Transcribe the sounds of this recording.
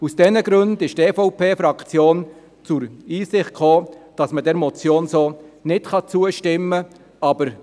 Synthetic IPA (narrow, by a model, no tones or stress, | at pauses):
usd̥ɛnəɡ̥ɾɵndɪʃtɛːfɔʊpʰeːfɾɑkt͡sjoːn | t͡sʊɾiːsɪχt̚kχoːd̥ɑsmədɛɾmɔt͡sjoːnsoːnɪtχɑt͡suəʃtɪmːə | ɑbəɾ